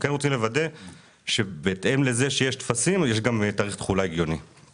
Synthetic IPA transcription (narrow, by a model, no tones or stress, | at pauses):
ke̞nʁot͡simlevad̪e̞ | ʃe̞beːt̪e̞mle̞ze̞ʃejeʃt̪fasimjeʃɡamt̪aːʁiχt̪χulaiɡjo̞ni